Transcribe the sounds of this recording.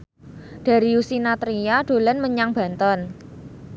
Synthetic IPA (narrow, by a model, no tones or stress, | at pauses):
d̥a̤ɾiusinat̪ɾijaɖ̥o̤lənməɲaŋb̥a̤nt̪ɔn